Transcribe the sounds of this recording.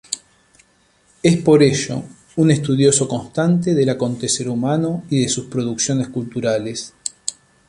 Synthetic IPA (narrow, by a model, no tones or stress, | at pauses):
espo̞ɾeʒo̞̰ | unest̪uð̞jo̞so̞ko̞nst̪ant̪̬e̞ðe̞lako̞nt̪e̞se̞ɾumanoiðe̞suspɾo̞ð̞uksjoneskult̪uɾales